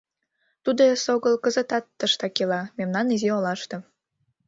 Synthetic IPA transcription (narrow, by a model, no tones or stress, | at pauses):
t̪ud̪osoɣəlkəzə̆t̪ɑt̪ːəʃt̪ɑkelɑmemnɑniziolɑʃt̪o